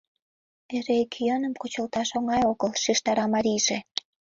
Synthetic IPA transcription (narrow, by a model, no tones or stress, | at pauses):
eɾekʰjənəmkot͡ɕəlt̪ɑʃoŋɑjoɣəlʃiʃt̪ɑɾɑmɑɾʲiʒe